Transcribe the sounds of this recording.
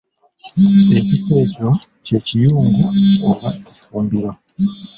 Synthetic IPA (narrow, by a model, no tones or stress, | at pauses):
e̞cike̞ːco̞ | ce̞ːcijuːŋɡuoβaufuːmbiɾa